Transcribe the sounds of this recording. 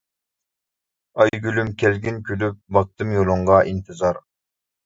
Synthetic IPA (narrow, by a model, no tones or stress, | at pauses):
ɑjɡʲylymkʲʰɛlɡʲɪnkʲʰølyp̚bɑk̚t̪ɨmjolˠʊɴʁɑʔint̪ʰɨzɑɾ